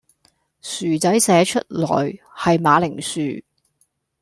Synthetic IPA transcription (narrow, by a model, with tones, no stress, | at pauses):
syː˨˩t͡sɐ˨˥jsɛː˨˥t͡ʃʰɵ˥t̚lɔ̰ː˨˩j | hɐ˨jmaː˨˧lɪ˨˩ŋsyː˨